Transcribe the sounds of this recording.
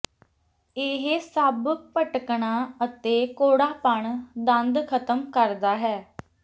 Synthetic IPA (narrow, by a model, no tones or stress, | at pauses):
eːɦsəbpəʈkɳaːət̪eːkoːɽaːpəɳd̪ənd̪kʰət̪əmkəɾd̪aːɦɛː